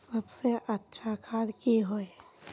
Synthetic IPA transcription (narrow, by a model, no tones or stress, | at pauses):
sɐbseʔətːʃʰakʰaːd̪kiɦoe